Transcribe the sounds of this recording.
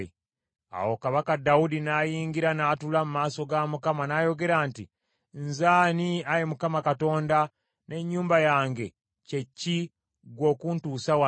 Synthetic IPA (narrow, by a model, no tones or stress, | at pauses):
a̰wo̞kaβakadːaudinaːjiːŋɡiɾanaːtulamumaːso̞ɡamukamanaːjo̞ɡe̞ɾaːnti | nzaːniajemukamakato̞ːnda | ne̞ɲːuːmbajaːŋɡe̞ | ce̞cːi | ɡwo̞ːkuntuːsawa